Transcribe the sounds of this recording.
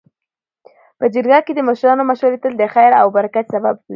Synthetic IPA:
pəd͡ʒəɾɡɑked̪əmʊʃɾɑnomaʃaɾet̪əld̪əxajɾa̰wbaɾakat̪sababi

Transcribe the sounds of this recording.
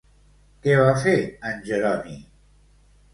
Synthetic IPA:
kɛβafeənʲʒeɾɔni

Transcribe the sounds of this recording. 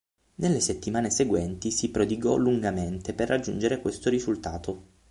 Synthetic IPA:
nelːeset̪ːimaːneseɡwɛnt̪isipɾod̪iɡɔluŋɡament̪eperːad͡ʒːṵnd͡ʒeɾekwest̪oɾizult̪aːt̪o

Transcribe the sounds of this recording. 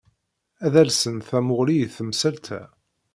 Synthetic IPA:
æðælsənθæmʊʁliθəmsælt̪ʰæ̰

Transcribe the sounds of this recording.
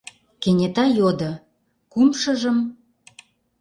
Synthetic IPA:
kenʲet̪ɑjod̪ɤ̆ | kumʃɤ̆ʒə̆m

